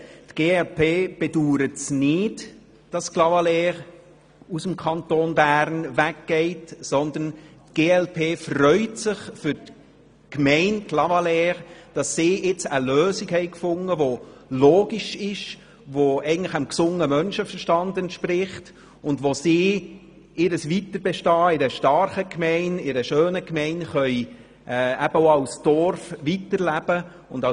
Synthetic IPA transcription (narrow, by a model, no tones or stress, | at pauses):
tɡ̥eːɛlpʰeːb̥ɛduːɾətsnɪt | d̥ɑsklɑvɑlɛːʁ | usəmkʰɑntoːnbæːɾnvækɡ̥ɛɪtsɔnd̪əntɡ̥eːɛlpʰeːfrœʏtsɪχfʏɾt | kmɛɪnklɑvɑlɛːʁd̥ɑsːiːɪt͡səløːsikhɛɪkfʊŋəʋoloːɡiʃɪʃ | ʋoɛɪɡn̩tləχamksʊŋəmœnʃəfərʃtɑndɛntʃprɪχt | ʊndʋosiː | ɪɾəsʋitəɾbɛʃtɑːɪɾəʃtɑɾχəkmɛɪnɪɾəʃøːnəkmɛɪnχœʏ | ʔɛːæbəoːɑʊsd̥ɔɾfʋitəɾlæb̥ə | ʊndɑ